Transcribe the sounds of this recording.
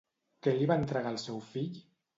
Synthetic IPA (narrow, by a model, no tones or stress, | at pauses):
keliβaent̪ɾəɣalˠsɛwfiʎ